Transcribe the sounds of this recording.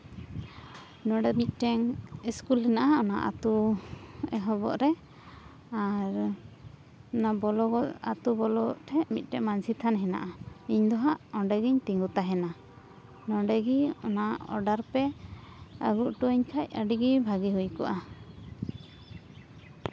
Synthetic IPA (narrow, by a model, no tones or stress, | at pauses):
nɔɖɛmit̪̚ˀʈɛŋiskulɦɛnaʔaɔna̰ʔa̰t̪u | ɛɦɔbɔ̰ʔɾɛ | aɾ | ɔnabɔlɔɡɔa̰t̪ubɔlɔʈʰɛʔmit̪̚ˀʈɛʔmansit̪ʰanɦɛna̰ʔaiɲd̪ɔɦaʔɔɖɛɡiɲt̪iŋɡut̪aɦɛna | nɔɖɛɡiɔnaɔ̰ɖaɾpɛ | ə̰ɡuʔʈuiɲkʰac̚ə̰ɖiɡibʱaɡiɦujkɔʔa